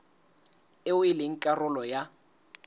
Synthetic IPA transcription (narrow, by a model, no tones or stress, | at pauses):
ɪwɪlɪŋ̩kʼarʊlɔja